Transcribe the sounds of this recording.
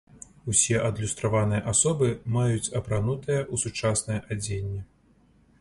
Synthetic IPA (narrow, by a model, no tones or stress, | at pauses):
usʲɛʔɐd̪lʲust̪ɾavanɨjɐʔasɔbɨmajut͡sʲɐpɾanut̪ɨjɐʔusut͡ʂasnɐjɐʔad͡zʲenʲːɛ